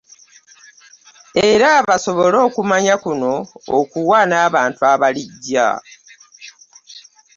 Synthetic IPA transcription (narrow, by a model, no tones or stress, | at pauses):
e̞ɾaβaso̞βolo̞ːkumaɲakuno̞ːkuwaːnaːβaːntuaβaliɟːa̰